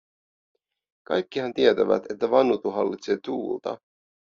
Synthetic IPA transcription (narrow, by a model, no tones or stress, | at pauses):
kɑ̰jkːihænt̪iet̪æʋæ̰t̪e̞t̪ːæʋɑnːut̪uɦɑlːit̪se̞ːt̪uːlt̪ɑ̰